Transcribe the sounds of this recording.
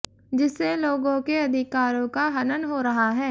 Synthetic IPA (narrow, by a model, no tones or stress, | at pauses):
d͡ʒɪsːeloːɡõkeɐd̪ʱɪkaːɾõkaɦɐnənɦoɾɐɦaɦɛː